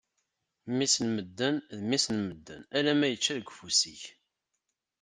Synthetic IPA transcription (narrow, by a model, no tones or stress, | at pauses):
misnməd̪ːənðmisnməd̪ːə̰nælæmæjət͡ʃːæðəɡʷfusiç